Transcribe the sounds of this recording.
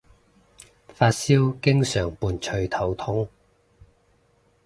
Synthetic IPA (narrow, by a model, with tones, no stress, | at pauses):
faː˧t̚siː˥wkɪ˥ŋsœː˨˩ŋpuː˨˧nt͡ʃʰɵ˧ɥt̪ʰɐ˨˩wt̪ʰʊ˥ŋ